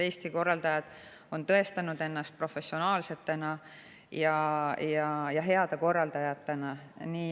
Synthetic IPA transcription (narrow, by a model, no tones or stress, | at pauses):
e̞ːst̪iko̞rːɑld̪ɑjɑd̪̥ | o̞nt̪ɤ̞e̞st̪ɑnud̪̥e̞nːɑst̪̚pro̞fe̞sːio̞nɑːlse̞t̪ːenɑ | jɑjɑjɑɦe̞ɑd̪̥eko̞rːɑld̪ɑjɑt̪ːenɑniː